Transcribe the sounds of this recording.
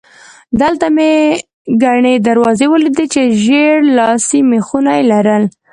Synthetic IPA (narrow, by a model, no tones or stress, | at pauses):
d̪əlt̪ame | ɡaɳed̪aɾwɑzewəlid̪it͡ʃeʒeɾlɑsimexunajlaɾəl